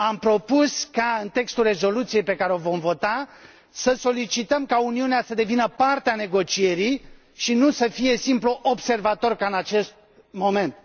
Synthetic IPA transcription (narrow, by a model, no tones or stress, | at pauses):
ampɾo̞puskaɨnt̪e̞kst̪ulre̞zo̞lut̪sije̞jpe̞kaɾeo̞vo̞mvo̞t̪a | səso̞lit͡ʃit̪əmkauniuneasəd̪e̞vinəpart̪eane̞ɡo̞t͡ʃie̞ɾij | ʃinusəfije̞simpluʔobse̞rvat̪o̞rkaɨnat͡ʃe̞st̪̚ | mo̞me̞nt̪̚